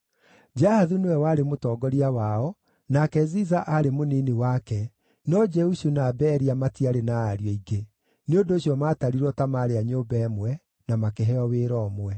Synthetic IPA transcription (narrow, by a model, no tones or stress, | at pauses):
d͡ʒahaðunewɛwaɾemotɔːɡɔɾiawaɔ | nakɛzizaʔaɾemoniːniwakɛ | nɔd͡ʒɛuʃunabɛɾiamatiaɾenaaɾiɔiɡe | neondoːɕjɔmaːtaɾiɾwɔtamaɾeaɲoːbɛːmwɛ | namakeɦɛɔweːɾɔːmwɛ